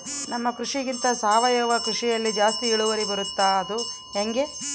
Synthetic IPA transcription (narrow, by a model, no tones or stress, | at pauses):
nɐmːɐkɾuʂiɡint̪ɐsaːʋɐjɐʋɐkɾuʂijɐlːid͡ʒaːst̪iiɭuʋɐɾibɐɾut̪ːaːɐd̪u | ɦeŋɡe̞